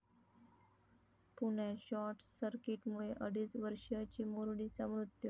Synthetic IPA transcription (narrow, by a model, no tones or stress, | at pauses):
puɳjaɕɔʈsəɾkiʈmuɭeʔəɽiːt͡sʋəɾʂjat͡ɕiːmoɾɽit͡samɾut̪ju